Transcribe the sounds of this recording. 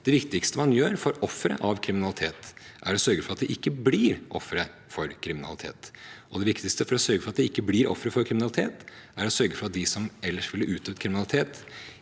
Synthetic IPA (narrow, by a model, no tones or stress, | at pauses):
d̪̥ɛʋɪkt̪ɪkst̪əmɑnjøːɾfɔɾɔfːɾə̰ʔɑʋkʰɾɪmɪnɑlɪt̪ʰeːt̪ʔæɾɔsœɾɡəfɔɾɑt̪̚d̪ɛʔɪkːəbliːɾʔɔ̰fːɾə | fɔɾkʰɾɪmɪnɑ̰lɪt̪ʰḛːt̪ʔɔd̪ɛʋɪkt̪ɪkst̪əfɔɾɔsœɾɡəfɾɑt̪̚d̪ɛɪkːəbliːɾɔ̰fːɾəfɔɾkʰɾɪmɪnɑlɪt̪ʰḛːt̪æɾɔsœɾɡəfɾɔɑt̪̚d̪ɪsɔmɛlːəʂʋɪlːəʔʉːt̪ʰøːt̪kʰɾɪmɪnɑlɪt̪ʰeːt̪